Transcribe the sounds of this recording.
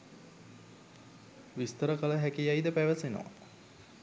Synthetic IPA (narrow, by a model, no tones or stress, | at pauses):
ʋist̪əɾəkələɦækijajd̪əpæʋəseno̰ʋa̰